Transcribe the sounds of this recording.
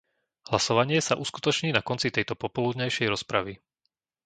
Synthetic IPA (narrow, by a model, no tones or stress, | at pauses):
hlasɔʋaɲɪɛsaʔusku̥t̪ɔt͡ʃɲiːnakɔnt͡sit̪ɛjt̪ɔpɔpɔlud̪ɲajʃɛjɾɔspɾaʋi